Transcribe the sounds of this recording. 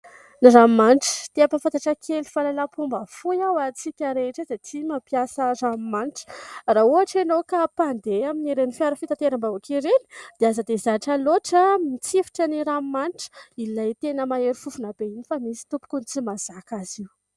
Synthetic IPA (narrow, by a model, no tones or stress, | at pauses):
nirammanʈ͡ʂə̥t̪iapafant̪aʈ͡ʂəkʰelifalalapʰumbafujawat͡sikʲaɾeʈ͡ʂəzatʰimapjasərammanʈ͡ʂə̥rauaʈ͡ʂenokapand̪eaminiɾenifiaɾəfit̪at̪eɾambaukiɾeni̥d̪̥eazad̪ezaʈ͡ʂəloʈ͡ʂəmit͡sifi̥ʈ͡ʂəniɾammanʈ͡ʂə̥ilajt̪enəmaeɾifufunabeinifamisi̥t̪upu̥kunt͡simaz̥akaziw